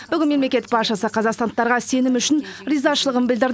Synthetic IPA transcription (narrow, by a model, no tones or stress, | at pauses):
b̥ʏɡʲɪnme̞mle̞kʲet̪ːɪkpɑɾʃɑsəqʰɑzɑqst̪ɑnd̪ət̪ːɑɾʁɑse̞nɪmʏʃɪnrijzɑʃəlˠəʁənbɪld̪ɪɾd̪